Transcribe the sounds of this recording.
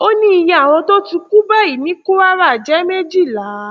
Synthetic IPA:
o˦nĩ˦i˧jɛ̃˧a˨w̃ɔ̃˧to˦ti˧ku˦ba˦i˨mĩ˨˦ku˦a˦ɾa˦˨d͡ʒɛ˨˦me˦d͡ʒi˦˨la˨˦

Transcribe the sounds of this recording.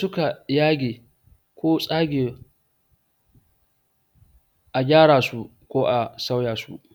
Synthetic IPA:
sʊ˦ka˨jaː˦ɡʲeː˨ | kʷoː˦sʼaː˦ɡʲeː˨ | ʔa˨ɡʲaː˦ɽaː˨su˦ | kʷoː˦ʔa˨sa˦wjaː˨sṵ˦ʔ

